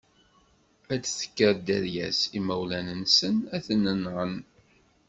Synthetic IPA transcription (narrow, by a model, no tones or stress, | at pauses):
æθə̥kːəɾd̪æɾjæ̰simæwlænənsənæθənːənʁən